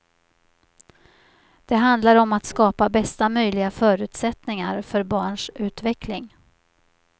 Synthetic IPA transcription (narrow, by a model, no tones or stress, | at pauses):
d̪̥ɛɦand̪laɾɔmat̪skɑːpabɛst̪amœjlɪɡafœːɾʉ̟ːt̪sɛt̪nɪŋa̰ɾfœɾbɑːɳʂʉ̟ːt̪vɛklɪŋ